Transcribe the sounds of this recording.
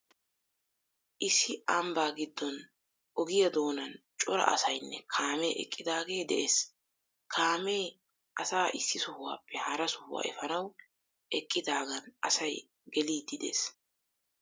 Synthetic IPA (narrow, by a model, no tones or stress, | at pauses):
ʔɪsːɪʔɐmbaːɡɪd̪ːɔn | ʔɔɡɪjɐd̪o̞ːnɐn | t͡ʃʼɔɾɐ̰ʔɐ̰sɐjnːɛkʰaːmeːʔɛ̰kʼːɪd̪aːɡe̞ːd̪ɛʔeːs | kʰaːme̞ː | ʔɐsaːʔɪsːɪsʊhʊwa̰ːpʰːɛhɐɾɐsʊ̥hʊwa̰ːʔɛ̰fɐnɐw | ʔɛkʼːɪd̪aːɡɐnʔɐsɐj | ɡɛliːd̪ːɪd̪ḛːs